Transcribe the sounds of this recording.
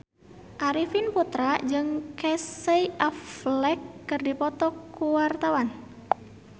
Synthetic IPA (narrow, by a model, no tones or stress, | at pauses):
ʔaɾifinput̪ɾad͡ʒɨŋkɛseiʔaflɛkːɨrdipɔt̪ɔkuwart̪awan